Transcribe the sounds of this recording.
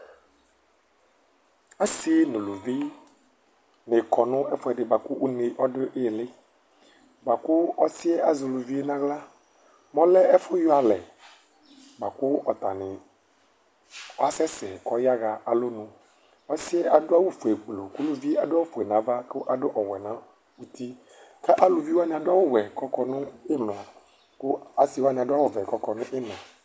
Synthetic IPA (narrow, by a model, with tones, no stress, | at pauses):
a˦si˦nʊ̃˨lu˨vi˦ | ne˨kɔ˨nʊ̃˦ɛ˦fʊ˦ɛ˨ɖɪ˨ba˨kʊ˦wu˦ne˦ʔɔ˦ɖɪ˦ʔe˨lɪ˦ | ba˨kʊ˦ɔ˦si˦ɛ˦ʔa˨zʊ˨lʊ˨vi˦e˦nã˦ɣla˦ | mɔ̃˦lɛ˦ɛ˦fʊ˦jɔ˦a˨lɛ˨ | ba˨kʊ˦ɔ˨t̪a˨nɪ˨˦ | a˦sɛ˦sɛ˨kɔ˦ja˦ɣa˨ʔa˨lo˦nʊ̃˨ | ɔ˦sɪ˦ɛ˦ʔa˨dʊ˦a˦wʊ˦fu˨ɛ˨ɡ͡blo˨kʊ˦lʊ˦vi˦a˨dʊ˦a˦ʊ˦fu˨ɛ˨nã˨˦va˦kʊ˦ʔa˨dʊ˦ʔɔ˨wɛ˨nã˨ | u˦t̪i˦ | ka˦ʔa˦lʊ˨vi˦wa˦nɪ̃˨a˨dʊ˦a˦wʊ˦wɛ˨kɔ˦kɔ˦nʊ̃˦ɪ˦mlã˨ | kʊ˦a˦si˦wa˦nɪ̃˨a˨dʊ˦a˦wʊ˦vɛ˨kɔ˦kɔ˨nʊ̃˦ʔɪ˦nã˨